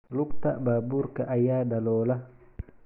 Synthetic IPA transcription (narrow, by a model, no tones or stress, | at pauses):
luk̚taʔbabuɾkaʔajadalɔːla